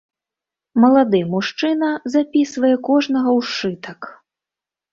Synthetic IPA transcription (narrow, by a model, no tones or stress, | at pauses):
mɐlˠad̪ɨmuʂt͡ʂɨnɐzapʲisvɐjɛkɔʐnɐɣɐwʂt͡ʂɨt̪ɐk